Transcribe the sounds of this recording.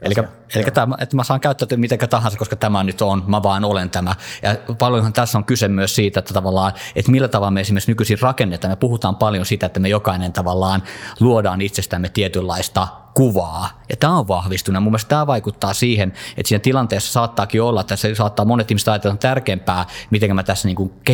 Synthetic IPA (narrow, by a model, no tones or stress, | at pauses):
elikːæ | elikːæt̪æːmæḛt̪ːæmæsɑːŋkæyt̪ːæt̪ːømit̪ækæt̪ɑhɑnsɑkoskɑt̪æmænyt̪onmæʋɑːnolent̪æmæjɑpɑljonhɑnt̪æsːoŋkysemmyøˑssiːt̪æet̪ːæt̪ɑʋɑlːɑːḛt̪milːæt̪ɑʋɑlːmeesimˑerksnykysirrɑkenːet̪ˑɑːmepuhut̪ɑːmpɑljosit̪æet̪ːæmejokɑinent̪ɑʋɑlːɑːnluodɑːnit̪sest̪æmːet̪iet̪ylːɑist̪ɑ | kuʋɑːjɑt̪æːoʋʋɑhʋist̪unemumːest̪æːʋɑikut̪ːɑːsiːhenḛt̪siːnæt̪ilɑnt̪eːsːɑ̥sɑːt̪ːɑːkiolːɑet̪ːæsesɑːt̪ːɑːmonet̪ihmiset̪ɑjɑt̪elːɑt̪ærkempæːmit̪eŋkæmæt̪æsːæniːŋkuŋk